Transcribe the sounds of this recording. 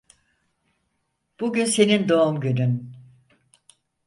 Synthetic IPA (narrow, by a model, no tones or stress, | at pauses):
b̥uɟynse̞nind̪o̞umɟynyn